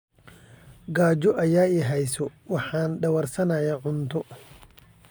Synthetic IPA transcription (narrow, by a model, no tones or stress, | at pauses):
ɡaːd͡ʒɔʔɐjaːɛɦɛjsɔwɑħɑːnɖɐwɐrsɐnɐjaːʕʊnt̪ʰɔ